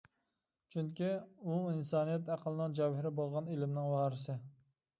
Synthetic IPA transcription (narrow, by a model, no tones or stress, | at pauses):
t͡ʃʰyŋkʲiuinsɑːnijɛt̪æqʰəlˠɨnɨŋd͡ʒɑwhɪɾɪbolˠʁɑnelɪmnɪŋwɑhɾɨsɪ